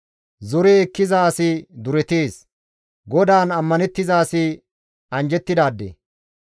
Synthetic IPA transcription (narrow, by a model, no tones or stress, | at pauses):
zɔɾɛːkːɪzaːsɪd̪ʊɾɛt̪eːs | ɡɔd̪aːnɐmːɐnɛt̪ːɪzaːsɪ | ɐnd͡ʒɛt̪ːɪd̪aːd̪ːḛ